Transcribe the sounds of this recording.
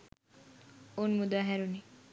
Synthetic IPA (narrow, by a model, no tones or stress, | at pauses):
onmud̪aːɦeɾuni